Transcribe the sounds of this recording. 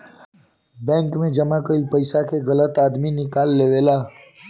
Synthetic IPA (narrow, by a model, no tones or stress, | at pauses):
bɛ̃ːŋkmẽd͡ʒəmakəilpəɪsakʰeɣələt̪aːd̪minɪkaːlːeʋela